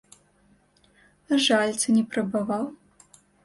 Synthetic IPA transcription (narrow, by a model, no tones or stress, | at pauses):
aʐalʲt̪sɨnʲɛpɾɐbavaw